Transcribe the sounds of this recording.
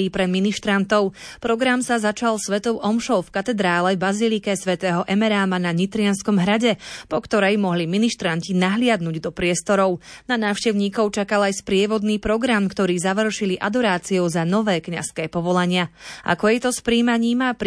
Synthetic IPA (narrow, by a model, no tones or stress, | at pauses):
iːpɾɛd̪miniʃt̪ɾant̪ɔʊpɾɔɡɾamsazat͡ʃalˠsʋɛt̪ɔʊʔɔmʃɔʊfkat̪ɛd̪ɾaːlɛvbazilikɛsʋɛt̪ɛːɦɔʔɛmɛɾaːmanaɲit̪ɾɪanskɔmɦɾaɟɛpɔkt̪ɔɾɛjmɔɦliminiʃt̪ɾancinaɦlɪad̪nuɟd̪ɔpɾɪɛst̪ɔɾɔʊnanaːʊʃcɛʊɲiːkɔʊt͡ʃakalajspɾɪɛʋɔd̪niːpɾɔɡɾamkt̪ɔɾiːzaʋr̩ʃiliʔad̪ɔɾaːt͡siɔʊzanɔʋɛːkɲa̰skɛːpɔʋɔlaɲɪaʔa̰kɔjɛt̪ɔspɾiːmaɲiːmap